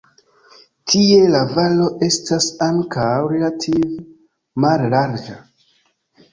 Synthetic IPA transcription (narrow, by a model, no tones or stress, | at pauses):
tʰie̞lavalo̞ʔe̞stasaŋkʰawɾe̞latʰiv | mallaɾd͡ʒa